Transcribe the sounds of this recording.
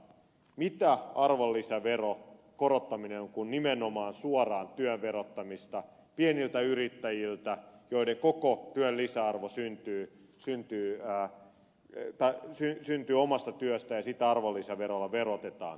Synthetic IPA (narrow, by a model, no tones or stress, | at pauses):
mit̪æɑrʋolːisæʋero | korot̪ːɑminenoŋkunnimenomɑːnsuɔrɑːnt̪yøʋʋerot̪ːɑmist̪ɑ | pienilt̪æyrit̪ːæjilt̪æjoiɾeŋkokot̪yøllisæɑrʋosynt̪yː | synt̪yː | t̪ɑsysynt̪yːomɑst̪ɑt̪yøst̪æjɑsit̪ːæɑrʋolːisɑʋeɾolːɑʋerot̪et̪ɑ̰ːn